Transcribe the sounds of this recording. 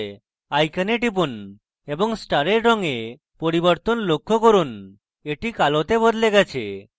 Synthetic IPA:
ajkaneʈip̬un | ebɔŋsʈaɾeɾɾɔŋe | pɔɾibɔɾt̪ɔnlokʰːɔkɔɾun | eʈikalɔt̪ebɔd̪leɡat͡ʃʰḛ

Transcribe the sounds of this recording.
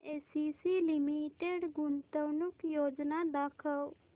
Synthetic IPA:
esisilimiʈeɖɡunt̪əwnukjod͡ʒnad̪akʰəw

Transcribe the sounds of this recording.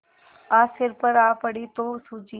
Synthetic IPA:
aːsɪɾpəɾaːpəɽit̪oːsud͡ʒi

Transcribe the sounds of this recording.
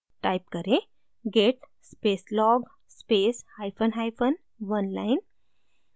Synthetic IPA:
ʈajp̚kəɾe | ɡeʈ | speslɔɡ | speshajfənɦajfən | ʋənlajn

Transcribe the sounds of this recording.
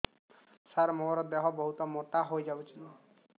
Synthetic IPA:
saɾmoɾɔd̪eɦɔbɔɦut̪ɔmoʈaɦojd͡ʒabut͡ʃʰunɔ

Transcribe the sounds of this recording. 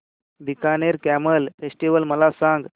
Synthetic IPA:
d̪ikaneɾkæməlfesʈiʋəlməlasãŋɡ

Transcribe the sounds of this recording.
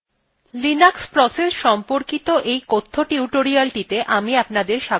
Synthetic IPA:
linakspɾɔsesʃɔmpoɾkit̪oʔejkot̪ʰːoʈiuʈoɾialʈit̪eʔamiapnad̪eɾʃa

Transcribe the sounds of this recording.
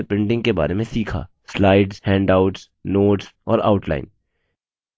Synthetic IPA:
epɪ̃ɳɖɪ̃ŋɡkeba̰ːɾemẽsiːkʰa̰ː | slaːɪɖzhɛ̃ːɳɖaʊʈs | noːʈsɔːɾa̰ʊʈla̰ːɪn

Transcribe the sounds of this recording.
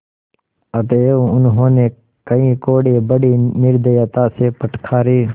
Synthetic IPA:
ət̪eːũʊnɦõːneː | kəĩːkoːɽeːbəɽiːnɪɾd̪əjət̪aːseːpəʈʰkʰaːɾiː

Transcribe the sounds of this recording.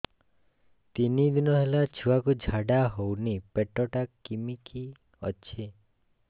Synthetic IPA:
t̪inid̪inɔɦelat͡ʃʰuwakud͡ʒʱaɽaɦownipeʈɔʈakimikʰi | ɔ̰t͡ʃʰe

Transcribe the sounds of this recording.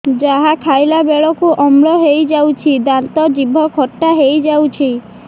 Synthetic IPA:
d͡ʒaɦakʰajlabeɭɔkuʔɔmɭɔɦejd͡ʒawt͡ʃʰid̪ant̪ɔd͡ʒibʱɔkʰɔʈːaɦejd͡ʒawt͡ʃʰi

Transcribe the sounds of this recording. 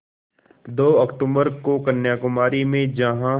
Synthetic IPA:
d̪oːɔkʈumbəɾkokənːjakʊmaːɾimẽd͡ʒɐɦã

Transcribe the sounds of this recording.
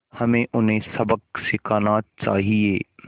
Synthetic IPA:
hɐmẽʔʊnɦẽsɐbəksɪkʰaːnat͡ʃaːɦieː

